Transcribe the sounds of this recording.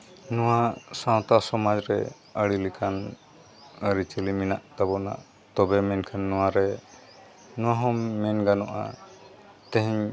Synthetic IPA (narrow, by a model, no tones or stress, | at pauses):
nɔwasãw̃t̪asɔmad͡ʒɾɛ | əɽilikʰan | əɾit͡ʃəliminaʔd̪abɔna̰ʔ | t̪ɔbɛmɛnkʰanːɔwaɾɛ | nɔ̃waɦɔmːɛnɡanɔʔa̰ | t̪ɛ̃ɦɛɲ